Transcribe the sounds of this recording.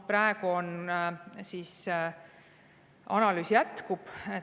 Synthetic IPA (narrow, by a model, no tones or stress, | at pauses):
pɾɑeɡ̥uo̞n | sis | ɑ̰nɑlyːsjæt̪kub̥e